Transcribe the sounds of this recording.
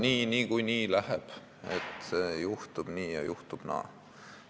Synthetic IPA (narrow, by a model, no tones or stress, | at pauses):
niːniːkujniːlæheb̥ | ḛt̪seːjuht̪ub̥niːjɑ̰jʔuht̪ub̥nɑ̰ː